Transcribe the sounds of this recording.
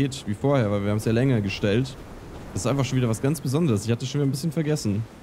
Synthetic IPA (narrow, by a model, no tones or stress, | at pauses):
eːtviːfoːɐheːɐvaɪlviːɐhabm̩sjaːlɛŋɐɡəʃtɛlt | d̥ɛsɪstaɪfaχʃoːnviːdɐvasɡ̥ant͡sb̥əzɔndəʁəsɪçhatə̥sʃoːnviːdənbɪsçənfɛɐɡɛsn̩